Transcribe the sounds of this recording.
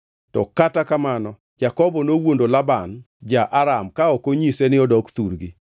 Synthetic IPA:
tɔ̰katakamanɔ | d͡ʒakɔbɔnowondolaban | d͡ʒaʔaɾamkaɔkoɲisenɪɔdɔkt̪uɾɡi

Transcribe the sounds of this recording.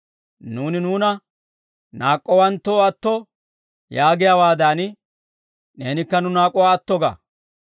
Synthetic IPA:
nuːnɪnuːnɐ | naːkʼːɔwɐnt̪ːoːɐt̪ːɔ | jaːɡɪjawaːd̪an | ne̞ːnɪkːɐnʊnaːkʼːɔwaːɐt̪ːɔɡa̰ː

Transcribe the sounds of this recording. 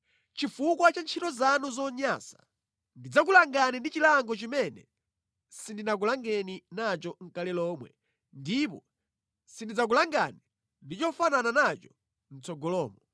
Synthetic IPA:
t͡ʃifukwat͡ʃant͡ʃʰitɔzanuzɔɲasḁ | ndid͡zak̬ulaŋɡanɛndit͡ʃilaŋɡɔt͡ʃimɛnɛ̰ | sindinak̬ulaŋɡɛninat͡ʃɔŋ̩kalɛlɔːmwɛ | ndip̬ɔ | sindid͡zak̬ulaŋɡa̰ni | ndit͡ʃɔfanananat͡ʃɔ̥ | n̩t͡sɔɡɔlɔːmɔ

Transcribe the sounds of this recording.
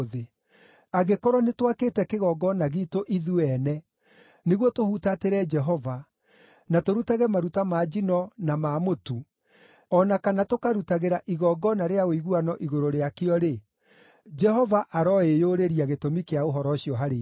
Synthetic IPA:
ðe | aɣekɔɾɔnetwakeːtɛkeɣɔɡɔnaɣitoʔiðuɛnɛ | neɣwɔtohutateɾɛd͡ʒɛɦɔva | natoɾutaɣɛmaɾutamad͡ʒinɔnamaːmotu | ɔnakanatokaɾutaɣeɾaʔiɣɔɡɔnaɾeaoiɣuanɔʔiɣoɾoɾeakeɔɾe | d͡ʒɛɦɔvaʔaɾɔejoɾeɾiaɣetomikeaoɦɔɾɔɕiɔɦaɾe

